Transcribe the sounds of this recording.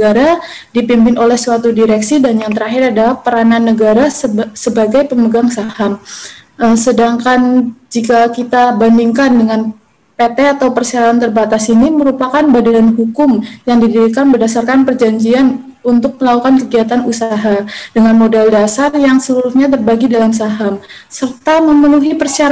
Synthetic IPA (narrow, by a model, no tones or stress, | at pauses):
ɡaɾa | dipimpɪnʔolɛhsuat̪udiɾɛksidanjaŋt̪əɾaɦɪɾadalahpəɾananːəɡaɾasəsəbaɡajpəməɡaŋsahamʔəmsədaŋkand͡ʒikakit̪abandiŋkandəŋan | pet̪ɛat̪awpərsiaɾaant̪ərbat̪asiniməɾupakanbadanɦukʊmjaŋdidiɾikanbərdasarkanpərd͡ʒaɲd͡ʒian | unt̪ʊk̚məlakukankəɡiat̪anusaɦadəŋanmodɛldasarjaŋsəluɾuhɲat̪ərbaɡidalamsaɦamsərt̪aməmənuɦipərsiaɾ